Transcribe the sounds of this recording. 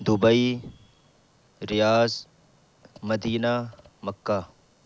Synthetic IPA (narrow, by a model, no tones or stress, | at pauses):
d̪ʊbɐi | ɾijaːz | mɐd̪iːna | mɐkːa